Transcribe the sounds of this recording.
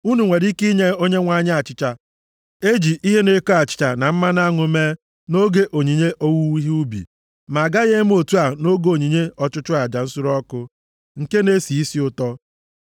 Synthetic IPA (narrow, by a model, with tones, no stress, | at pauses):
u˦nu˨ŋʷe˨ɾi˦ki˦ɲe˦o˦ɲe˦ŋʷa˨ɲ˦a˨t͡ʃɪ˦t͡ʃa˦ | e˦d͡ʒi˨ʔi˦ɦe˦ne˦ko˦a˨t͡ʃɪ̥˨t͡ʃa˨na˨m̩˦ma˦n˦a˦ŋʊ˨me˦ | no˦ɡe˦ʔo˨ɲi˨ɲe˦ʔo˦wu˦wi˦ɦi˦u˦bḭ˨ | ma˨a˨ɡa˦ɣe˦m˦o˨tu˦a˨no˦ɡo˨ɲi˨ɲe˦ɔ˨t͡ʃʊ˦t͡ʃʊ˦a˨d͡ʒa˨n̩˦sʊ˦ɾɔ˦kʊ˦ | ŋ̩˨ke˦ne˦si˨i˦si˦ʊ˦tɔ˦